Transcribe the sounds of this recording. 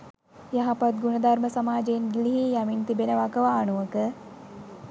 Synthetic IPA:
jaɦapat̪̚ɡunəd̪arməsamaːd͡ʒeinɡiliɦijamint̪ibenəʋakəʋaːnuʋəkə

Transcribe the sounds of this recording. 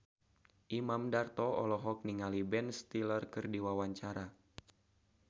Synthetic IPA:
ʔimamdart̪ɔɔ̰lɔɦɔk̚niŋalibɛnst̪ilərkɨrdiwawaɲt͡ʃaɾa

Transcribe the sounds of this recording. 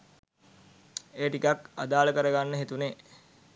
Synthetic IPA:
eːʈikaka̰d̪aːləkəɾəɡanːəɦet̪une

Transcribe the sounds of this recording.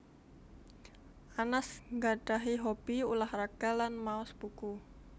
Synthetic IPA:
ʔanasŋɡaɖaɦiɦob̥iulahraɡ̥alanmaʊsb̥uku

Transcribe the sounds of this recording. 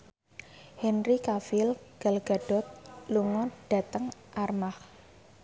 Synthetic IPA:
hɛnɾikafɪlɡ̥a̤lɡ̥a̤ɖ̥ɔ̤t̪̚luŋɔɖ̥a̤t̪əŋʔarmah

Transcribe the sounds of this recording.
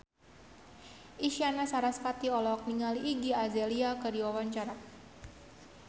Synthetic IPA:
ʔiʃianasaɾaspat̪iɔlɔk̚niŋaliːɡiazɛliakədiwawaɲt͡ʃaɾa

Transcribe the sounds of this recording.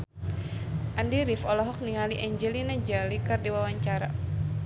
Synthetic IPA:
ʔandiɾifɔlɔɦɔk̚niŋaliʔɛɲd͡ʒɛlinad͡ʒalikardiwawaɲt͡ʃaɾa

